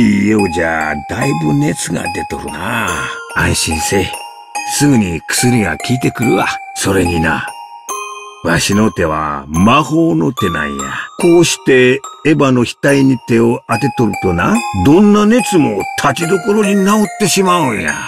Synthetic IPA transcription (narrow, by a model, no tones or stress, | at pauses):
ieod͡ʑa̰ːd̪aibɯne̞t͡sɨɡa̰d̪e̞t̪o̞̰ɾɯ̟̰na | ãɰ̃ɕĩɰse | sɨɡɯ̟ɲ̟ikɯ̥sɨɾʲiɡa̰kʲiːt̪e̞kɯ̟ɾɯ̟a̰so̞ɾe̞ɲ̟ina̰ | βat̪aɕino̞t̪e̞βa̰maho̞ːno̞t̪e̞nã̰ĩja̰ko̞ːɕi̥t̪e̞ːbano̞çi̥t̪aiɲit̪e̞oat̪e̞t̪o̞ɾɯ̟t̪o̞nãd̪õ̞nːane̞t͡sɨmo̞t̪ʰat͡ɕid̪o̞ko̞ɾo̞ɲ̟inaot̪ːe̞ɕimaɯ̃ɰja̰